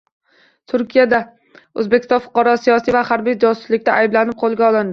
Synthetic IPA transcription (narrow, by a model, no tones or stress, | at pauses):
t̪ʰʊɾkʲʰijad̪a | ɵzbekʲʰɪst̪ɒnfʊ̥qɑɾɒsijɒsijvahaɾbijd͡ʒɒsʊ̥slɪkʲt̪aʔajblanɪp̚qʰolˠɡʲaɒlˠɪnd̪ɪ